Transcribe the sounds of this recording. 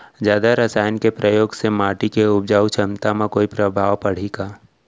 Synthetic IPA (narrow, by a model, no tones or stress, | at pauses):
d͡ʒjaːd̪aɾəsaːjənkepɾʔəjoːɡsemaːʈikeʊbd͡ʒaːut͡ʃʰə̃nt̪amãkoːipɾəbʱaːʋpəɽ̤iːɡaː